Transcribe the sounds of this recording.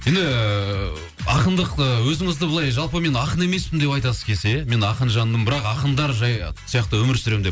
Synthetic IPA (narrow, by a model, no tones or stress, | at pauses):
je̞nd̪ɪ | ɑqənd̪əqəwɵzɪŋɪzd̪əbʊlˠɑjʒɑlˠpəme̞nɑqəne̞me̞spɪmd̪e̞pɑjt̪ɑsəzkʲʰe̞lse̞me̞nɑqənʒɑnːəmbɪɾɑqɑqənd̪ɑɾʒɑjsijɑqt̪əwɵmɪɾsʏɾe̞md̪e̞